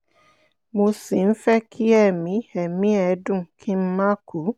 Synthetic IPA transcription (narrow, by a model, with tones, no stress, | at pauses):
mũ˦si˨n̩˦fɛ˦kʰi˦ɛ˦˨mĩ˨˦ɛ˨mĩ˦ɛ˨˦dʊ̃˦˨kʰi˦m̩˦ma˦ku˨˦